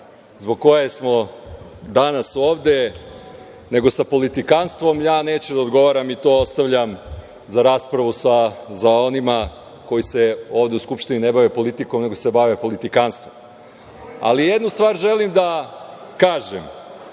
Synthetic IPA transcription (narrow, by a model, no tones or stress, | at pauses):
zbo̞ɡ̚ko̞jesmo̞ | d̪anaso̞ːʋd̪e̞ | ne̞ɡo̞sapo̞lit̪ikanst̪ʋo̞mjaːneːt͡ɕud̪aod̪ɡo̞ʋaɾamit̪o̞ːost̪aʋʎam | zaɾaːspɾaʋusazao̞nima | ko̞jise̞o̞ːʋd̪e̞uskupʃt̪ininebaʋe̞po̞lit̪iko̞mne̞ɡose̞baʋe̞po̞lit̪ikanst̪ʋo̞m | a̰lijed̪nust̪ʋaːɾʒe̞limd̪akaːʒem